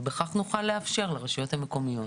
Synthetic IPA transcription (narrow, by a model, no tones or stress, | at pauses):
beχaχnuχalːeafʃe̞ʁlaʁeʃujo̞thameko̞mijo̞t